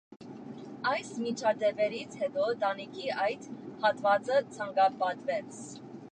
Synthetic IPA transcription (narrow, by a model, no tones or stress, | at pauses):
ɑjsmit͡ʃʰɑd̪ɛpɛɾit͡sʰhɛt̪ɔd̪ɑnikʰiʔɑjt̪hɑt̪vɑt͡sət͡sʰɑŋɡɑpɑt̪vɛt͡sʰ